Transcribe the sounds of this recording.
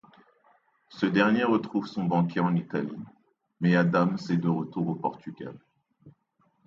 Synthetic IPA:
səd̪ɛʁnjeʁət̪χuvsɔ̃bɑ̃kʲeɑ̃nit̪alḭ | mɛad̪amsed̪əʁət̪uʁopɔʁt̪ʰyɡʲa̰l

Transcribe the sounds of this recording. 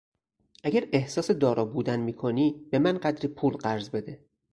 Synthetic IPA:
ʔæɟæɾe̞hsɒːse̞d̪ɒːɾʔɒːbuːd̪ænmiːkʰoniːb̥e̞mænɢæd̪ɾiːpʰuːlɢæɾzbe̞d̪e̞

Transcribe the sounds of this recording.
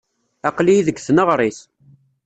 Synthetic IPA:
ɑqlijiðəɡθənəʁɾˤiθ

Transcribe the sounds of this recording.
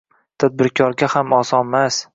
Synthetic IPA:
t̪ʰad̪̚bɪɾkʰɒɾɡʲahamɒsɒnmas

